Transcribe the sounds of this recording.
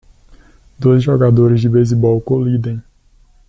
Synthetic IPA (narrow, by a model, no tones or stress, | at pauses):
d̪ojzʒɔɡad̪oɾɪzd͡ʒɪbejzibɔwkolid̪ẽj̃